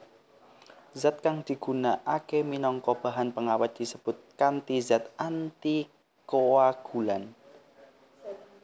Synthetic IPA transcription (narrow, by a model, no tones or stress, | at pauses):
zat̪̚kaŋd̪̥i̤ɡ̥ṳnaʔakeminɔŋkɔb̥a̤ɦanpəŋawat̪̚d̪̥i̤səb̥ʊt̪̚kant̪izat̪ʔant̪i | kowaɡ̥ulan